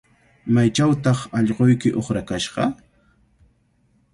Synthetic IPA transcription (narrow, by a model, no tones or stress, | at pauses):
majt͡ʃawt̪ɑχɑʎɢojkɪʔoχɾakaʃɢɑ